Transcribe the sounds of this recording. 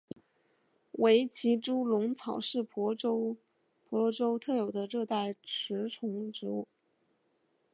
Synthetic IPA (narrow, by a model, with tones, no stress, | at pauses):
we˧˥ɪt͡ɕʰi˧˥ʈ͡ʂu˥lʊ˧˥ŋt͡sʰɑ˨˩ʊʂɻ̩˥˩p | pʰwɔ˧˥lɔ˧˥ʈ͡ʂo˥ʊt̪ʰɤ˥˩jo˨˩ʊd̪ə˦ʈ͡ʂɤ˥˧t̪a˥˩ɪʈ͡ʂʰɻ̩˧˥ʈ͡ʂʰʊ˧˥ŋʈ͡ʂɻ̩˧˥u˥˩